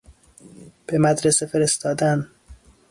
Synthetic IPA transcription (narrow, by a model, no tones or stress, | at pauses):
b̥emæd̪ɾesefe̞ɾest̪ɒːd̪æn